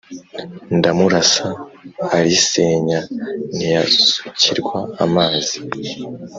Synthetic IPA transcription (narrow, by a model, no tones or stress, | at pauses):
ndamuɾasaː | ɾiseːɲanijasu̥ciɾɡwaːmaːzi